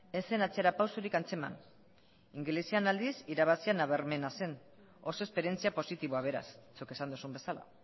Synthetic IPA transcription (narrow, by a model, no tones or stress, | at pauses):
ese̞nat͡seɾapawsuɾikant͡se̞ma̰n | iŋɡlesianald̪isiɾaβ̞asianaβe̞ɾme̞nase̞n | o̞so̞espe̞ɾje̞nt͡siapo̞sit̪iβoaβ̞e̞ɾa̰st͡suke̞sand̪usumbe̞sala̰